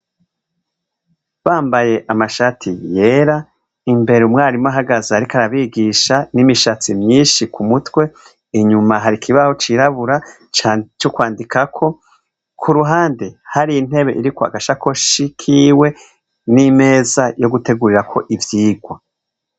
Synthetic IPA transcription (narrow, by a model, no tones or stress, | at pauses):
βaːmbaje̞ʔamaʃatʰije̞ːɾa | imbe̞ɾeumŋaːɾimaɦaɡazaːɾikaɾaβiɡiːʃanimiʃat͡simɲiːnʃikumutwe̞ | iɲumaɦaɾikʰiβaho̞t͡ʃiɾaβuɾa | t͡ʃokwaːndikʰakʰo̞ | kʰuɾuɦaːndehaɾijin̥e̞βe̞ʔiɾikoa̰ɡaʃako̞ʃikʰiːwe̞ | nime̞ːzajo̞ɡute̞ɡuɾiɾakʰo̞ʔivjiːɡwa